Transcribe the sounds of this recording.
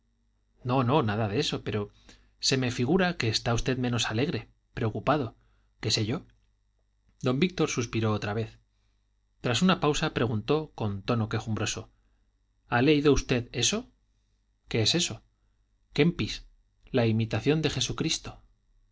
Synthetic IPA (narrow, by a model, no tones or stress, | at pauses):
no̞no̞naðaðe̞so̞pe̞ɾo̞ | se̞me̞fiɣuɾake̞ːst̪aust̪e̞ðmẽ̞no̞sale̞ɣɾe̞ | pɾe̞o̞kupaðo̞ | ke̞se̞ʝo̞ | d̪o̞mbik̚t̪o̞ɾsuspiɾo̞ot̪ɾaβ̞e̞θ | t̪ɾasunapawsapɾe̞ɣ̞unt̪o̞ko̞nt̪o̞no̞ke̞xumbɾo̞so̞ | aleiðo̞ust̪e̞ðe̞so̞ | ke̞ese̞so̞ | ke̞mpis | laimit̪aθjo̞nd̪e̞xe̞sukɾist̪o̞̥